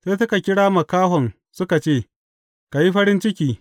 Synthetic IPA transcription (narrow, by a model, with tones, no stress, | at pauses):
seː˦sʊ˦ka˨kʲɪ˦ɽaː˦mɐ˨kaː˦hɔ˨ŋ | sʊ˦ka˨t͡ʃeː˦˨ | ka˨ji˦ɸɐ˦ɽɪ˦nt͡ʃɪ˦kʲiː˦